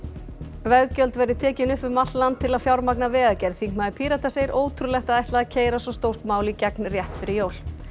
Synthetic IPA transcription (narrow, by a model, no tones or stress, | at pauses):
vɛɣcœlt̪vɛɾðɪt̪ʰɛːcɪnʏhpʏmat̪lant̪ʰːɪlaðfjawɾmak̚navɛːɣacɛɾðθiŋkmaðɪpʰiːɾat̪aseːjɪɾʔoːwt̪ʰɾulɛxt̪aðajht̪laðacʰeːjɾasɔst̪owr̥t̪maːwlicɛknrjɛht̪fɪɾɪɾjoːwl